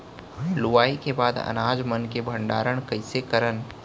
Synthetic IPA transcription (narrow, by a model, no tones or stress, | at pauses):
lʊʋaːikebaːd̪ɐ̰naːd͡ʒmənkebʱə̃ɳɖaːɾəɽ̃kɐɪsekəɾən